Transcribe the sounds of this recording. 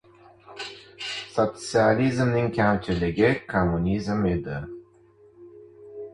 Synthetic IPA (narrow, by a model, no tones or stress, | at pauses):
sot̪sializmnɪŋkʲʰamt͡ʃʰɪlɪɡʲɪkʰomːunʲizmed̪ɪ